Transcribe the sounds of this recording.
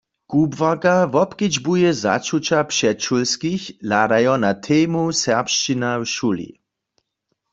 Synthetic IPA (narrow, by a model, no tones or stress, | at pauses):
kubvakavɔpkid͡ʒbujɛza̰t͡ʃut͡ʃapʃɛtt͡ʃulskixladajɔnat̪ʰɛːmusɛʁpʃt͡ʃinawʃulḭ